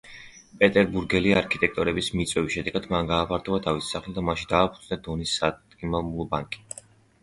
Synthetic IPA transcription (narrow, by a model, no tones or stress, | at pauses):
pʼɛt̪ʼɛɾbuɾɡɛliaɾkʰit̪ʼɛk̚t̪ʼɔɾɛbismit̪sʼwɛvisʃɛd̪ɛɡad̪manɡaːpʰaɾt̪ʰɔbat̪ʰavisi̥saχlɛd̪amaʃid̪aːpʰud̪znad̪ɔnisːat̪ʼkʼimamulˠɔbaŋkʼi̥